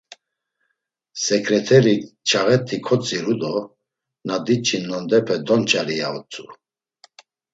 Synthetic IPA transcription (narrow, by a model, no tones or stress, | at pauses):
sɛkɾɛt̪ʰɛɾit͡ʃʰaɣɛt̪ʰːikʰɔt͡sʼiɾud̪ɔ | nad̪it͡ʃʰʼinːɔnd̪ɛpʰɛd̪ɔnt͡ʃʰʼaɾia̰ɔt͡sʰʼu